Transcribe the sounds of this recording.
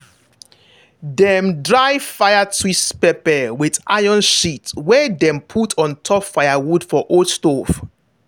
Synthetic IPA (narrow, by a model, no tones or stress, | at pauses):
dɛmdɹajfajatʰwispɛpɛwida̰jɔ̃nʃitwɛdɛ̃mpʰutʰɔ̃ntʰɔpfajawud̥fɔʔostof